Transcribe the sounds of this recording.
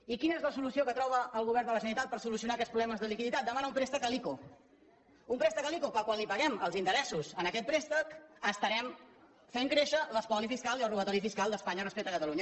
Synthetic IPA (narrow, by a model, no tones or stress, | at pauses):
ikinəezləsulusiokət̪ɾɔβ̞əʔːlˠɣuβ̞ɛrnd̪ələsənit̪at̪̚pəɾsulus̬iunaːkɛtspɾuβlɛməzðəlikiðit̪at̪̚d̪əmanəumpɾest̪əkəliku | umpɾɛst̪əkəlikupəlˠkwalipəɣɛməlˠzint̪əɾɛsusənəkɛt̪̚pɾest̪əkəst̪əɾɛm | feŋkɾeʃələspɔlifiskaliəlruβət̪ɔɾifiskalˠd̪əspaɲərəspɛk̚t̪əkət̪əluɲə